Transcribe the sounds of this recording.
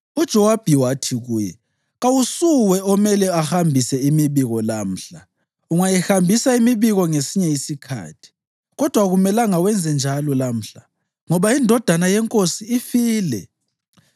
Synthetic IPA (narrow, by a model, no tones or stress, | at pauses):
ud̥ʒ̥ʱɔwab̥ʱiwatʰiɣuːjɛ̰ | ɣawusuwɛɔmɛlɛahambʱisɛimiβiɣɔlam̩ɬa | uŋajihambʱisaimiβiɣɔŋesiɲɛjisikʰa̰ːtʰi̥ | ɣɔd̥ʱwaɣumɛlaŋawɛnd͡zʱɛnd͡ʒʱalɔlam̩ɬa | ŋɔβaindʱɔd̥ʱanajɛŋkʼosiːfiːlɛ̰